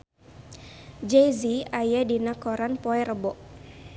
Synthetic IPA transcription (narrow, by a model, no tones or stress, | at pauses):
d͡ʒeziajadinakɔɾanpɔɛɾəbɔʔ